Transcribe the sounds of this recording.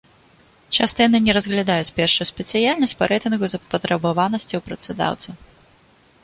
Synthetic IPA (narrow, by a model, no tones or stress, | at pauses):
t͡ʂast̪ɐjanɨnʲɛɾɐzɣlʲad̪ajut͡sʲpʲɛrʂujusʲpʲɛt̪sɨjalʲnɐsʲt͡sʲpɐɾʔɛjt̪ɨnɣuzɐpɐt̪ɾɐbavanɐsʲt͡sʲɐwpɾɐt̪sɨd̪a̰wt̪sɐ